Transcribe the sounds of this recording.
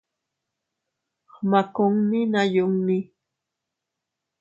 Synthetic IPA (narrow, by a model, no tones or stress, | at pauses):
hmakʊŋmɪnajʊŋmɪ